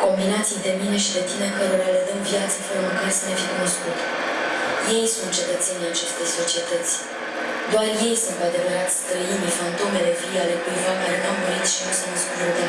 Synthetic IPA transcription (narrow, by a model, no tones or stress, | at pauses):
ko̞mbinat̪sijd̪e̞mine̞ʃid̪e̞t̪imekəɾoɾalət̪əmvjat̪səfəɾəməkarsəne̞fiekuno̞skut̪ | je̞jsunt̪̚t͡ʃe̞t̪ət̪se̞nʲiat͡ʃe̞st̪e̞jso̞t͡ʃie̞t̪ət̪sʲ | d̪oarje̞jsunkoad̪e̞vəɾat̪st̪ɾəinifant̪o̞me̞le̞viale̞kujvamaɾnamd̪oɾit̪ʃinusənəskuvuɾd̪a